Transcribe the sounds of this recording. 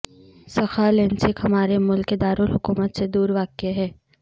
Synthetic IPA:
sɐxalẽːnsɪkɦɐmaːɾemʊlkːed̪aːɾʊlɦʊkuːmət̪sed̪uːɾʋaːkeɦɛː

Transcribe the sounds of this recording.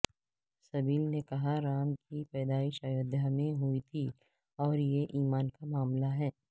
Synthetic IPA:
sɐbiːlnekɐɦaɾaːmkipɛːd̪aːɪʃajʊd̪ʱjamẽɦʊit̪ʰi | ɔːɾjeʔiːmaːnkamaːmlaɦɛː

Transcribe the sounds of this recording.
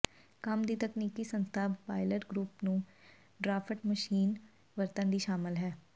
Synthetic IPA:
kəmd̪iːt̪əkniːkisə̃nst̪ʰaːpaːɪləʈɡɾuːpnũː | ɖɾaːpʰəʈməʃiːn | ʋəɾt̪ə̃nd̪iːʃaːmɪlɦɛː

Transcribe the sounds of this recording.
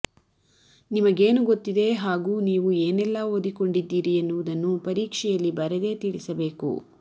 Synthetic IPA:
nimɐɡeːnuɡo̞t̪ːid̪e̞ɦaːɡuːniːʋueːnɛlːɐɦod̪iko̞ɳɖid̪ːiːɾienːuʋud̪ɐnːupɐɾiːkʂɛjɐlːibɐɾed̪e̞ːt̪iɭisɐbe̞ːkṵ

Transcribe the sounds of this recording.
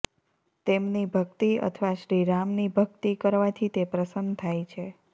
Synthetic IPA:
t̪emnibʱəkt̪iə̰t̪ʰʋaʃɾiɾamnibʱək̚t̪ikəɾʋat̪ʰit̪epɾəsənd̪t̪ʰajt͡ʃʰe

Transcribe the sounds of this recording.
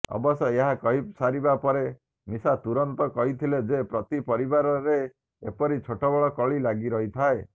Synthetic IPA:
ɔ̰bɔsɔeɦakɔɦisaɾibapɔɾe | misat̪uɾɔnt̪ɔkɔɦit̪ʰiled͡ʒepɾɔt̪ipɔɾibaɾɔɾe | epɔɾit͡ʃʰoʈɔbɔɭɔkɔɭilaɡiɾɔɦit̪ʰae

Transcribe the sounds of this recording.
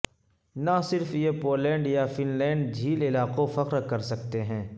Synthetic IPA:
nasɪɾfjepoːlɛ̃ːɳɖjafɪnlɛ̃ːɳɖd͡ʒʱiːlɪlaːqõfɐqɾkɐɾsɐkt̪eɦɛ̃ː

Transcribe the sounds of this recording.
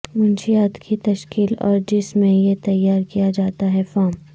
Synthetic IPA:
mʊnʃijaːt̪kʰit̪ɐʃkiːlɔ̰ːɾd͡ʒɪsmẽjet̪ɐjːaːɾkijad͡ʒaːt̪aɦɛfɔːm

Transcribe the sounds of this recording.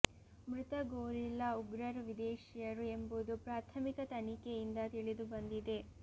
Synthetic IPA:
mɾut̪ɐɡoːɾilːɐuɡɾɐɾʋid̪eːʃijɐɾue̞mbud̪upɾaːt̪ʰɐmikɐt̪ɐnikejind̪ɐt̪iɭid̪ubɐnd̪id̪e̞

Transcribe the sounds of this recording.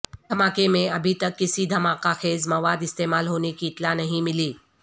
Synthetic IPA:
d̪ʱəmakemẽəbʱit̪əkːisiːd̪ʱəmakakʰezməʋad̪ist̪emalɦonekiːt̪lanəɦĩmiliː

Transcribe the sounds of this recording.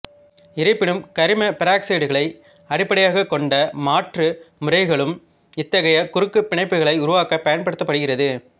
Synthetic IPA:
ɪɾɐɪpːɪɳɯmkɐɾɪmɐpɪɾaːkseːɽɯɣɐɭɐɪ | ɐɾɪpːɐɽɐjaːɣɐkːɔɳɖɐmaːʈrɯmʊrɐɪɣɐɭɯm | ɪt̪ːɐɣɐjɐkʊɾɯkːɯpːɪɳɐɪpːɯɣɐɭɐɪʊɾʊʋaːkɐpːɐjɐnpɐɽɯt̪ːɐpːɐɽɯɣɪrɐðɯ

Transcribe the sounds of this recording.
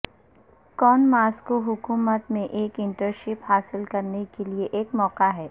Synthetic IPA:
kɔːnmaːskoɦʊkuːmət̪mẽʔeːkɪ̃ɳʈəɾʃɪphaːsɪlkɐɾnekelieʔeːkmɔːqaɦɛː

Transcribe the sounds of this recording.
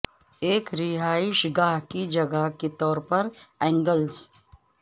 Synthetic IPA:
eːkɾɪɦaːɪʃɡaːɦkid͡ʒɐɡaket̪ɔːɾpɐɾɛ̃ːŋɡəlz

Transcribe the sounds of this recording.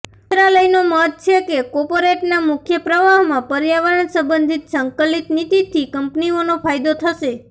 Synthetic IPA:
t̪ɾaləjnomət̪̚t͡ʃʰekekɔɾpoɾeʈnamʊkʰjəpɾəʋaɦmãpəɾjaʋəɾənsə̃mbənd̪ʱit̪səŋkəlit̪nit̪it̪ʰːikəmpnionopʰajd̪ot̪ʰəʃe

